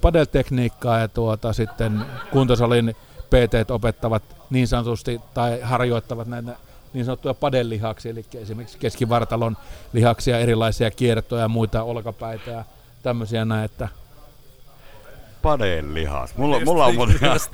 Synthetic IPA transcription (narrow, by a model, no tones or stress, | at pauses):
pɑdelt̪ekniːkːɑːjɑt̪uot̪ɑsit̪ːenkunt̪ɑsɑlin | peːt̪eːt̪opet̪ːɑʋɑt̪niːnsɑnot̪ust̪it̪ɑihɑrjoˑit̪ːɑʋɑt̪næˑit̪æ | niːnsɑnot̪ːujɑpɑdelːihɑksielikːæesimerkikskeskiʋɑrt̪ɑlonlihɑksijɑerilˑɑˑisiɑkiert̪ˑojɑjɑmuit̪ɑolkɑpæˑit̪æjɑ | t̪æmːøsiɑnæˑiet̪ːæ | pɑdelːḭhɑ̰tmulːmulːɑunɑ